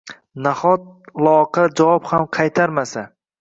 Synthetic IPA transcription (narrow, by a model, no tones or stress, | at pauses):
nahɒt̪̚lˠɒqʰɑd͡ʒavɒphamqʰɑjt̪ʰaɾmasa